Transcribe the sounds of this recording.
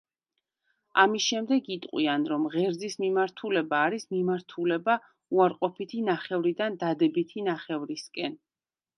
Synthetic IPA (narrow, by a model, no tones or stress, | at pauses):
amisʃɛmd̪ɛɡit̪ʼqʼwianɾɔmʁɛɾd̪zismimaɾt̪ʰulɛbaːɾismimaɾt̪ʰulɛba | uaɾqʼɔpʰit̪ʰinaχɛvɾid̪and̪ad̪ɛbit̪ʰinaχɛvɾiskʼɛn